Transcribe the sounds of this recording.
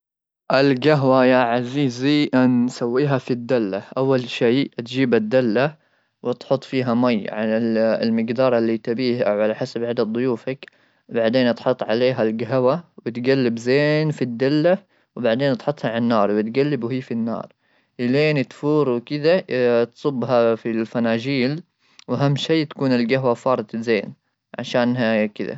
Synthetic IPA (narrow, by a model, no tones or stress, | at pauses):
ʔɪlɡaɦwajaʕaziːziʔansawːiːɦafid̪ːalːaʔawːalʃiːt̪d͡ʒiːbad̪ːalːa | wɪt̪ħʊt̪ˤːfiːɦamajːʕaɪllmɪɡd̪ɑːɾˤɑlːit̪abiːhʔawʕalaħasabʕad̪ad̪ðˤʊjuːfak | baʕd̪eːnʔɑt̪ħʊt̪ˤːʕa̰leːɦalɡaɦwawɪt̪ɡalːɪbzeːnfid̪ːalːa | wbaʕd̪eːnʔɑt̪ħʊt̪ˤhɑʕanːɑːɾˤwɪt̪ɡalːɪbuhiːfinːɑ̰ːɾˤ | ʔɪleːnɪt̪fuːɾˤwkɪd̪at̪sˤʊbːɦafilfanaːd͡ʒiːl | wʔaɦamːʃiːt̪ḁkuːnɪlɡaɦwafɑːɾˤɨt̪zeːn | ʕa̰ʃaːnɦakɪd̪a̰